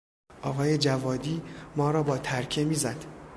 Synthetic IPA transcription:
ʔɒːɣɒːje̞d͡ʒævɒːd̪iːmɒːɾɒːbɒːt̪ʰæɾcʰe̞miːzæd̪̥

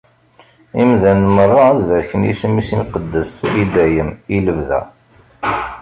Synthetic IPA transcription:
imðænmərˤːɑðvəɾçənjḭsəmːisimqəd̪ːəsid̪æjəmiləvðæ̰

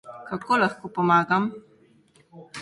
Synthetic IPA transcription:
kakoːlaxkopɔmaːɡam

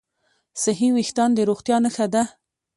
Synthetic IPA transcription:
saɦiwɪxt̪ɑnd̪əɾoɣt̪jɑnəxad̪a

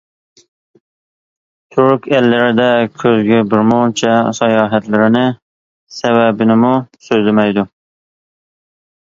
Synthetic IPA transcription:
t̪ʰʊɾkʲʰælːɪɾɪd̪ɛkʲʰøzɡʲɛbɪɾmont͡ʃʰɛsɑjɑːɦæt̪lɪɾɪnɪ | sæβæbɪnɪmʊsøzlɪmɛjd̪ʊ

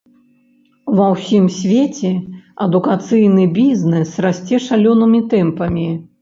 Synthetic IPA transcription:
vɐwsʲimsʲvʲet͡sʲɛɐd̪ukat̪sɨjnɨbʲiznɛsrasʲt͡sʲɛʂalʲɔnɨmʲit̪ɛmpɐmʲi

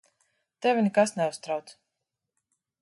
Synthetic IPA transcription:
t̪ɛvʲɪnɛkasnɛust̪ɾawt̪s

